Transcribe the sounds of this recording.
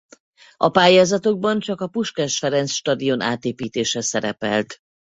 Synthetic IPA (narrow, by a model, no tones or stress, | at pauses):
ɒpaːjaːzɒt̪o̞ɡ̚bɒnt͡ʃɒkɒpuʃkɛʃfɛɾɛnsʃt̪ɒd̪ijo̞na̰ːt̪eːpiːt̪eːʃɛsɛɾɛpɛ̰lt̪